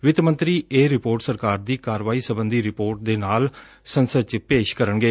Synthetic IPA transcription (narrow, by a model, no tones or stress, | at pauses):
ʋɪt̪mə̃nt̪ɾiːʔeːɾɪpoːɾʈsəɾkaːɾd̪iːkaːɾʋaːiːsəbənd̪iːɾɪpoːɾʈ̚d̪eːnaːl | sənsət͡ʃpeːʃkəɾəɳɡeː